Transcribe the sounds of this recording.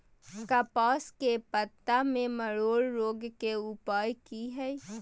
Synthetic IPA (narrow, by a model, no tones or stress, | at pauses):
kaːpaːskepət̪ːamẽməɭoːɽɾoːɡkeʊpaːjkiɦɛ